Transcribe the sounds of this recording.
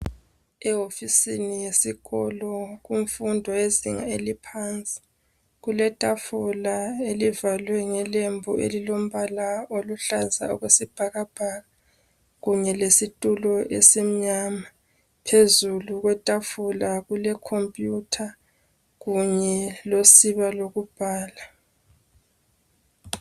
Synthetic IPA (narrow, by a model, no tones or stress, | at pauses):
ɛofisinijesiɣɔlɔɣuɱfundʱɔeziŋa̰elipʰant͡sʼi̥ | ɣulɛtʼafulaelivalwɛŋɛlembʱuʔḛlilom̩βalaoluɬaza̰ṵɣwesib̥ʱaɣab̥ʱaːɣa | ɣuɲɛlesitʼulɔʔḛsim̩ɲama | pʰezuluɣwɛtʼafulaɣulɛkʰompʼjutʰa | ɣuɲɛlosiβaloɣub̥ʱaːla